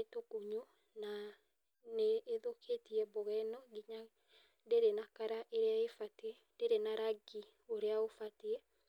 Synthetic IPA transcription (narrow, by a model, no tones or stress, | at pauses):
etokoɲo | na | neːðokʰetiɛboɣɛnɔɡiɲa | deɾenakaɾaʔeɾeaefatɛ | ndeɾenaɾaɡi | oɾeaofateɛ